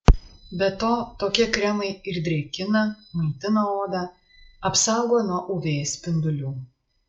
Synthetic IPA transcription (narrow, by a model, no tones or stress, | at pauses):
bʲɛt̪oːt̪oːkʲɛkɾʲɛmɐɪɪɾd̪ʲɾʲɛɪkʲɪnɐmɐɪt̪ʲɪnɐoːd̪ɑ | ɐpsɑˑʊɡoːnuɔʔʊʋʲeːsʲpʲɪnd̪ʊlʲuː